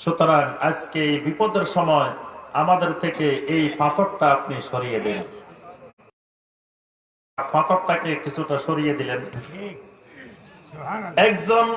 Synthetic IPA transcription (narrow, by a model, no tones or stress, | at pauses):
ʃut̪oɾaŋad͡ʑkeejbipod̪eɾʃɔmɔeamad̪eɾt̪ʰekeʔejfat̪ʰok̚ʈaapniʃoɾijed̪in | aɾfʰat̪ʰok̚ʈakekit͡ɕʰuʈaʃoɾijed̪ilen | ɛkd͡ʑon